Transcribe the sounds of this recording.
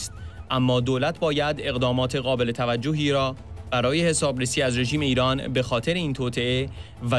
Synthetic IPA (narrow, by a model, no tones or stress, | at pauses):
st̪̚ʔæmːɒːd̪oːlæt̪ʰbɒːjæd̪e̞ɣd̪ɒːmɒːt̪ʰeɣɒːbe̞le̞t̪ʰævæd͡ʒːoɦiːɾɒːb̥æɾɒːje̞he̞sɒːbɾesiːæzɾe̞ʒiːme̞iːɾɒːnbe̞xɒːt̪ʰe̞ɾeiːnt̪ʰoːt̪ʰe̞e | væ